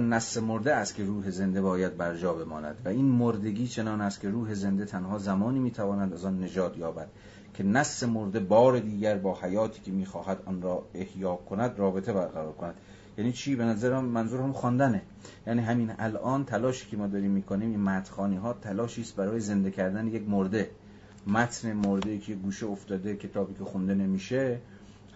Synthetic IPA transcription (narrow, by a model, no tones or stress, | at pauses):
næsːe̞moɾd̪eæst̪kcʰe̞ɾuːɦe̞ze̞nd̪e̞bɒːjæd̪̚bæɾd͡ʒɒːbe̞mɒːnæ̰d̪̥væiːnmoɾd̪e̞ɡiːt͡ʃʰe̞nɒːnæst̪̚kʰʲe̞ɾuːɦe̞ze̞nd̪et̪ʰænɦɒːzæmɒːniːmiːt̪ʰævɒːnæd̪æzɒːnːe̞d͡ʒɒːt̪ʰjɒːbæd̪̥ | cʰe̞næsːe̞moɾd̪e̞bɒːɾe̞d̪iːɡæɾbɒːhæjɒːt̪ʰiːcʰʲemiːxɒːɦæd̪ʔɒːnɾɒːe̞hjɒːkʰonæd̪rɒːbe̞t̪ʰe̞bæɾɣæɾɒːɾkʰonæd̪̥ | jæːniːt͡ʃʰiːbe̞næzæɾæmːænzuːɾhæmxɒnd̪æne | jæniːɦæmiːnælʔɒːnt̪ʰælɒːʃiːcʰʲemɒːd̪ɒːɾiːmːiːkʰoniːmiːnmæːt̪xɒːniɦɒːt̪ʰælɒːʃiːst̪̚bæɾɒːjeze̞nd̪ekʰæɾd̪ænejekmoɾd̪e̞ | mæt̪ʰne̞moɾd̪eiːcʰejeɡuːʃeoft̪ɒːd̪ekʰe̞t̪ʰɒːbiːkʲʰe̞xund̪e̞ne̞miːʃe